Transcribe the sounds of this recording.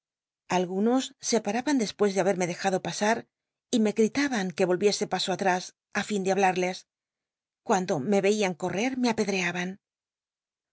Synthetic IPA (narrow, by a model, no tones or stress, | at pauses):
alɣuno̞sːe̞paɾaβand̪e̞spwe̞zðeaβe̞ɾme̞ðe̞xaðo̞pasaɾ | ime̞ɣɾit̪aβaŋke̞βo̞lβje̞se̞paso̞at̪ɾas | afind̪eaβlaɾle̞s | kwand̪o̞me̞βe̞iaŋko̞re̞ɾme̞ape̞ðɾe̞aβan